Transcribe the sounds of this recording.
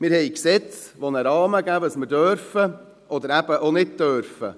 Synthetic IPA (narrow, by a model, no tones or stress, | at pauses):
mɪɾhɛjksɛt͡s | ʋonəɾɑːməɡævəsmədœɾfə | ʔɔd̪əɾæb̥əʔonɪt̚tœɾfə̰